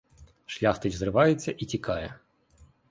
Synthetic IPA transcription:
ʃlʲaxt̪ɪt͡ʃzrɪʋɑjet͡sʲːɐʔitʲikɑjɛ

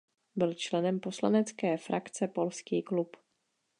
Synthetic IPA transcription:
bɪlt͡ʃlɛnɛmpo̞slanɛt͡skɛːfɾakt͡sɛpo̞lskiːklup

